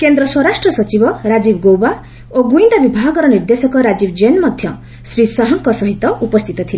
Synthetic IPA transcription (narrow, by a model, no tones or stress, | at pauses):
kend̪ɾʌswʌɾasʈrʌsʌt͡sibʌɾad͡zibɡowba | oɡuind̪abibʱaɡʌɾʌnird̪esʌkʌɾad͡zibd͡zenmʌd̪ʱjʌ | srisʌɦʌŋkʌsʌɦit̪ːʌʔupʌst̪ʰit̪ʌt̪ʰile